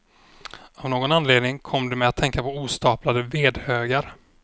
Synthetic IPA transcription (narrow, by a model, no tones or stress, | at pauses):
avnoːɡɔnanleːd̪nɪŋkʰɔmːd̪ɛmɛat̪ʰːɛŋkapɔuːst̪ɑːplad̪əveːd̪høːɡaɾ